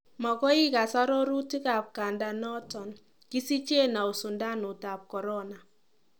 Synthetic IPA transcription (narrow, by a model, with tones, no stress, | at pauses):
ma˨kɔ˦i˦ka˨sa˦ɾɔ˦ɾu˦ti˦ka˨p̚ka˨nda˨nɔ˦tɔ˨n | ki˦si˦t͡ʃje˦na˨o˨sʊ˨nda˦nʊ˨ta˨p̚kɔ˨ɾɔ˦na˨